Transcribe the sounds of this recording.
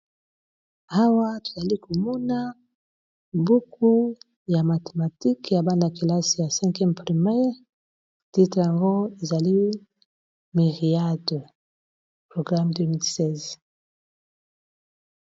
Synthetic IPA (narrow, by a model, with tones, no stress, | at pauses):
a˦wa˦to̥˨za˨li˦ko˨mɔ˦na˦ | bu˦kʰu˦ | ja˨ma˨te˨ma˨ti˦kja˨ba˦na˨ki˨la˦si˨ja˨sɛ̃˦ŋkɛ˦mpʁi˨me˦ | ti˦tʁja˨ŋɡo˦e˨za˨li˦ | mi˨ʁi˨a˦do˨ | pʁo˨ɡʁa˦mde˦mi˦lsɛ˦˨z